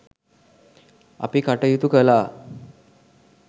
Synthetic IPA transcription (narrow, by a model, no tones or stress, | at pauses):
a̰piːkaʈəjut̪ukəla